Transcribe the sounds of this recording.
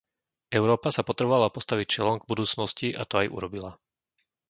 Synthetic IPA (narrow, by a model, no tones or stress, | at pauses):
ʔɛʊɾɔːpasapɔt̪ɾɛbɔʋalapɔst̪aʋict͡ʃɛlɔmɡbud̪uːt͡snɔsciʔa̰t̪ɔajʔṵɾɔbila